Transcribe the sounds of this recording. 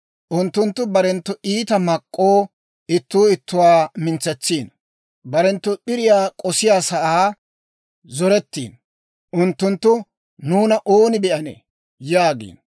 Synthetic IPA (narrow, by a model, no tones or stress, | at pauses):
ʔʊnt̪ːʊnt̪ːʊbɐɾɛnt̪ːʊʔiːt̪ɐmɐkʼːoː | ɪt̪ːuːɪt̪ːʊwaːmɪnt͡sːɛt͡sːiːn | bɐɾɛnt̪ːʊbɪɾɪjaːkʼɔsɪjaːsɐʔaː | zɔɾɛt̪ːḭːn | ʔʊnt̪ːʊnt̪ːʊ | nuːnɐʔoːnɪbɛʔɐnḛ | jaːɡḭːn